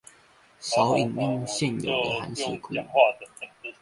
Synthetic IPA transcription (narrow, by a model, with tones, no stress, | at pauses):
sa˨˥ʊi˨˩ŋi˥˧ŋɕjɛ˥˨njo̰˨˩ʊd̪ə˨xa̰˨˧˦ns̩˥˨˩kʰṵ˨˩